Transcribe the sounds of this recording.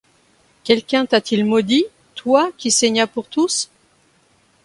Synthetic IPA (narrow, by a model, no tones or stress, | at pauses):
kʲɛlkʲɛ̃t̪at̪ilmɔd̪i | t̪wakʲisɛɲapuʁt̪us